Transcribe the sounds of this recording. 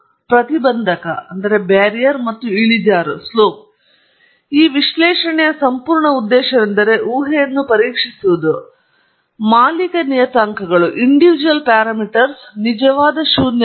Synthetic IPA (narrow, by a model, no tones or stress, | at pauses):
pɾɐt̪ibɐnd̪ʱɐkɐɐnd̪ɐɾe̞baːɾijɐɾmɐt̪ːuiɭid͡ʒaːɾusloːp̚ | iːʋiʃlɛːʂɐɳɛjɐsɐmpuːɾɳɐud̪ːɛːʃɐd̪end̪ɐɾe̞ʔuːɦejɐnːupɐɾiːkʂisuʋud̪u | maːlikɐnijɐt̪aːŋkʰɐɡɐɭuʔiɳɖiʋid͡ʒuɐlpaːɾaːmiʈɐɾsnid͡ʒɐʋaːd̪ɐʃuːd̪ɐ